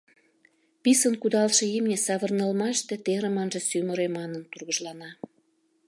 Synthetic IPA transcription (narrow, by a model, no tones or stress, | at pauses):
pisənkud̪ɑlʃĕimnʲesɑβərnəlmɑʃt̪et̪eɾə̆mɑnʒĕsyməɾemɑnənt̪urɣəʒlɑnɑ